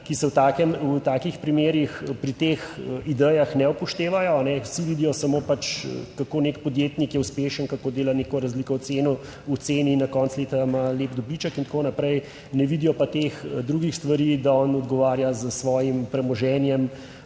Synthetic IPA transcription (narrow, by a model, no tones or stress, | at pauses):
kisɛwt̪aːkɛmwt̪aːkixpɾimeːɾixpɾit̪exid̪ɛjaxnɛupɔʃt̪eːʋajɔanɛwsiʋid̪ijɔsamopat͡ʃkakonekpɔd̪jeːt̪nikjɛuspeːʃənkakoːd̪eːlanekɔɾazlikɔɔt̪seːnɔ | ut̪seːninakɔnsleːt̪amaleːpd̪ɔbliːt͡ʃəkint̪ḁkonapɾɛj | nɛʋid̪ijɔpat̪exd̪ɾuɡixst̪ʋaɾid̪aɔnɔd̪ɡɔʋaːɾjazəsʋɔːjimpɾɛmɔʒɛːnjɛm